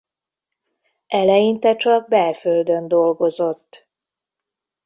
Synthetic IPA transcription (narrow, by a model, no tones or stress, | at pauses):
ɛlɛjint̪ɛt͡ʃɒɡ̚bɛrføld̪ønd̪o̞lɡo̞zo̞t̪ː